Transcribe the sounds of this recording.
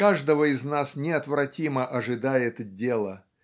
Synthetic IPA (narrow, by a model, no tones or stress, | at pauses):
kaʐd̪əvəɪznasnʲɪɐt̪vɾɐtʲiməʔɐʐɨd̪ajɪt̪dʲelˠə